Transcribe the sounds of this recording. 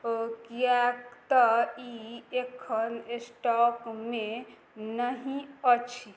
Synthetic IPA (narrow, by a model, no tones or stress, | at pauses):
kijakt̪əiekʰənesʈɔkme | nəɦĩət͡ʃʰi